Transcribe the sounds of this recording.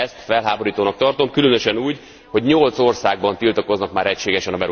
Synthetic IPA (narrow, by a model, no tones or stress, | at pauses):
ɛst̪fɛlɦaːbo̞ɾiːt̪oːnɒk̚t̪ɒrt̪o̞mkylønø̞ʃɛnuːɟ | ho̞ɟɲolt̪so̞rsaːɡ̚bɒnt̪ilt̪ɒko̞znɒkmaːɾɛcʃeːɡɛʃɛnɒbɛɾu